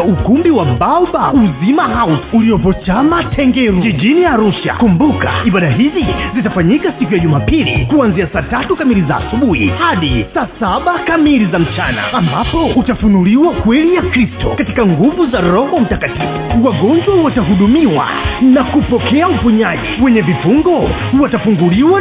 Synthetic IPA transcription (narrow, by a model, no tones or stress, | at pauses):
ukumbiwaɓaɔɓauzimaɦausuliɔpɔt͡ʃamatʰɛŋɡɛɾud͡ʒiʄiniaɾuʃa̰kumbuka̰iɓaɗaɦizizitafaɲikasik̬ujaʄumaːpilḭkuanziasaːtatukamiliza̰ːsuɓuhḭhaɗisaːsaɓakamilizam̩t͡ʃana̰ambapɔutafunuliwakwɛlijakɾistɔ̰katikaŋɡuvuzaɾɔhɔm̩takatifṵwaɠɔnd͡ʒwahwataɦuɗumiwa̰nakupɔkɛaufuɲaʄɛwɛɲɛvifuŋɡɔ | huwatafuŋɡuliwa